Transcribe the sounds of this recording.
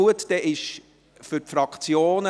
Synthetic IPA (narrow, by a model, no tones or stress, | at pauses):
uətd̥̪ɛʔɪʃ | fʏɾtfɾɑkt͡sjoːnə